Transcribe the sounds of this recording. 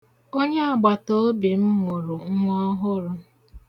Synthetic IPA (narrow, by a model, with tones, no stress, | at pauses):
o˦ɲe˦a˨ɡ͡ba˨to˦bi˨m̩˦ŋʊ˨ɾʊ˨ŋ̩˦ŋʷɔ˦ɦʊ˦ɾʊ˦